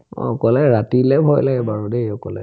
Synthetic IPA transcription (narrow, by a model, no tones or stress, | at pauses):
ɔ̰ɔkɔlɛɹatilɛbʱɔjlaɡɛbaɹudeɔkɔlɛ̰